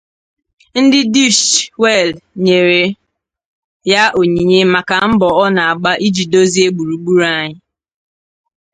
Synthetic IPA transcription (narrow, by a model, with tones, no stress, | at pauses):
n̩˦dɪ˦du˦ʃwe˦˨lɲe˨ɾe˨ | ja˦ʔo˨ɲi˨ɲe˦ma˨ka˨m̩˦bɔ˨ɔ˦na˨a˨ɡ͡ba˦ʔi˦d͡ʒi˨do˦zi˦e˦ɡ͡bu˨ɾu˨ɡ͡bu˦ɾa˦ɲɪ˦